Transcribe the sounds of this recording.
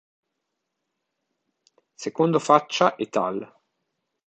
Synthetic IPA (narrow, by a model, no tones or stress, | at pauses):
sekond̪ofat͡ʃːaʔet̪ːa̰l